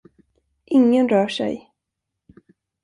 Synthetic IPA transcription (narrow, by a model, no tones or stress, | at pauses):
ʔɪŋːənɾœːʂɛ̰j